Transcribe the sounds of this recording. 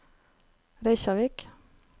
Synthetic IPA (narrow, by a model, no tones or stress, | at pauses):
ɾæɪçɑʋɪk